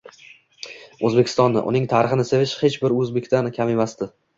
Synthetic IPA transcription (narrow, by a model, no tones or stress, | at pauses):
ɵzbe̞kʲʰɪ̥st̪ɒnːɪ̰ʔʊ̰nɪŋt̪ʰaɾɪχɨnɪsevɪʃhet͡ʃbɪɾɵzbekʲt̪ankʲʰamemasd̪ɪ